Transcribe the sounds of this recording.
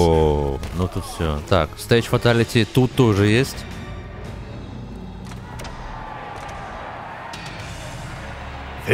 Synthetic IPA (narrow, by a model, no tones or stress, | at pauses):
onut̪ut̪fsʲot̪akst̪at͡ɕfɐt̪alʲɪtʲɪt̪ut̪ːoʐɨjesʲtʲ